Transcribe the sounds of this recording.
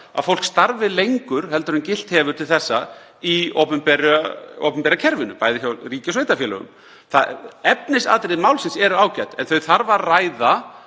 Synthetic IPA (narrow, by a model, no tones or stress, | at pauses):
a̰ðfowlkst̪aɾvɪlejŋkʏɾ̥hɛlt̪ʏɾʏncɪl̥t̪hɛːvʏɾ̥t̪ʰɪlθɛsːa | io̰wpʏmpɛɾao̰wpʏmpɛɾacʰɛɾvɪnʏpajðɪçawriːcasvejt̪afɛːlʏ̰ɣʏ̰m | θaɛpnɪsa̰ːt̪ɾɪðmaːwlsɪnsɛɾʏaːwcajt̪ɛ̰nθœɥθaɾvarraːjða